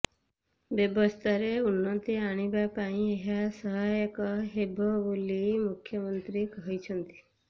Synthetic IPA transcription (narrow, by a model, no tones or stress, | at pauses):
bjɔbɔst̪ʰaɾeunːɔt̪iaɽ̃ibapaĩeɦasɔɦajɔkɔɦebʱɔbulimukʰːjɔmɔnt̪ɾikɔɦit͡ʃʰɔnt̪i̥